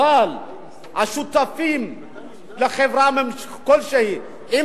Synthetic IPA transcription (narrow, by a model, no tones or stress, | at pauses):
al | ʔaʃut̪ːafiːm | laxevɾamɪm | kolʃehi | ʔɪ